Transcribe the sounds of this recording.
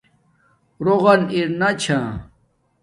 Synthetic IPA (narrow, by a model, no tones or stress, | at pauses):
ɾoɣɐniɾnat͡ɕʰã